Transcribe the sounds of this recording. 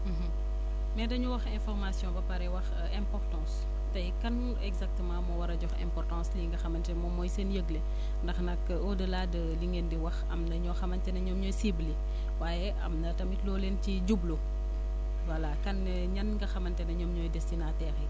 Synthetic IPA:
m̩ɦ̩ | mɛdɐɲuwɐxɛ̃nfɔrmasjɔ̃bɐpɐɾɛwɐx | ɛ̃mpɔrtɑ̃ːs | tɐjkɐn | ɛɡzak̚təmãːmɔwɐɾɐɟɔxɛ̰̃mpɔrtɑ̃sliːŋɡɐxɐmɐntɛmɔmɔjsenjəɡle | ndɐxnɐk | ɔdəlaːdəliŋeːndiwɐxɐmnɐɲɔxɐmɐntɛnɐɲɔːmɲɔːjsibli | waːjɛʔɐ̰mnɐtɐmitlɔːlenciɟublo | wɐlakɐn | ɲɐnŋɡɐxɐmɐntɛnɐɲɔːmɲɔjdɛstinatɛːxɛ

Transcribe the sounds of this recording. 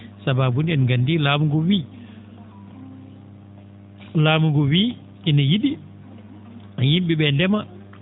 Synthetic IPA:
sababundiɛnɡandilaːmuɡɔwiː | laːmuɡɔwiː | kinajiɗi | ajimɓiɓɛndɛma

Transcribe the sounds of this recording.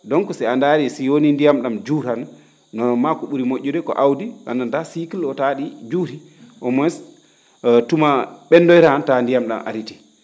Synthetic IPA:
dɔŋkɔsɛandaɾisiwonindijamɗamd͡ʒuɾanː | ɔnɔmakuɓuɾimoʔːudɛkɔ̰ʔawdia̰nːantasikilɔtaɗid͡ʒuɾi | ʔɔmɔs | tumaɓɛndɔjɾantandijamɗa̰mʔa̰ɾiti̥

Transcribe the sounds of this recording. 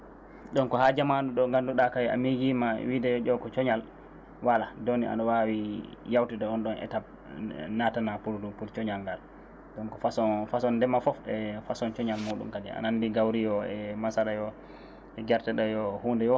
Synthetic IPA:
ɗɔnkɔhad͡ʒamanɗuɗɔŋɡanduɗakawia̰miɡima̰widɛjɔd͡ʒɔkɔt͡ʃɔɲal | waladonia̰ɗɔwawijawtidɔɔnɗɔnɛ̰tab̚ | natanapuldupult͡ʃɔɲalŋɡal | ɗɔnkɔfasɔfasɔndɛmafɔfɗɛfasɔnt͡ʃɔɲalmuːɗṵmkadḭa̰nanːdiɡawɾijɔɛmasaɾajɔ | ɛɡɛɾtɛɗajɔhuːndɛjɔ

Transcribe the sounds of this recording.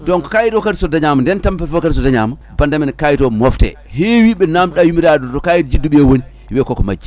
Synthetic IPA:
dɔnkɔ̥kajitɔkatisɔdaɲamandɛntampɛfɔkats̬ɔdaɲa̰ma | bandamɛnkajitɔmɔftɛ̰ | hewiɓɛnamɗajumiɾadɔtɔkajitid͡ʒiduɓiɛwoni | wɛkɔkɔma̰d͡ʒi

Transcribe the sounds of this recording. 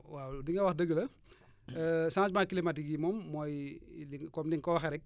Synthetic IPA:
wawdiŋɡɐwaxdəɡəlɐ | əsãːt͡ʃmaːkilimatiɡimɔmːɔjliŋkɔmdiŋkɔwaxɛɾɛk̚

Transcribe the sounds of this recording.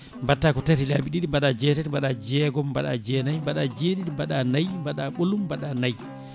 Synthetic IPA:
mbatːakɔtaɾilabiɗiɗimbaɗad͡ʒɛtɛtmbaɗad͡ʒɛːɡɔmbaɗa̰d͡ʒɛnajmbaɗad͡ʒeɗiɗimbaɗanajmbaɗaɓolumbaɗanaj

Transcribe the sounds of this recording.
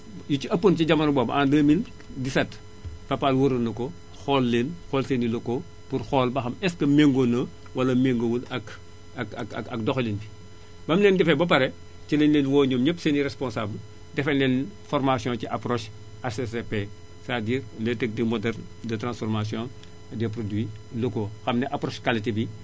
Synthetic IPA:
juciɐpːonciɟɐmɐnbɔːbʔaːndəːmin | disɐt | pɐpalwuɾɐnɐkɔ | xɔlːenxɔːlsenilɐko | purxɔːlbɐxɐmɛskɐmeŋɡonɐ | wɐlɐmeŋɡowulɐk | ɐkɐkɐ̰kɐkdɔxlinbi | bɐmlɛːndɛfɛbɐpɐɾɛ | cilɛnlɛːnwɔːɲomɲɐpseniɾɛspɔ̃nsabl | dɛfɐnlɛnfɔrmasijɔ̃ciʔapɾoʃ | asesepe | sadiːrlɛtek̚dimɔdɛrn | dɐtrãnsfɔrmas̬jɔ̃n | dɛp̬rodwi | lokoxɐmnɛʔaprɔːʃkalitibi

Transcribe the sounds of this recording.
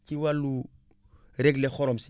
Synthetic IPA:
ciwalːu | ɾɛɡlexɔɾɔmsi

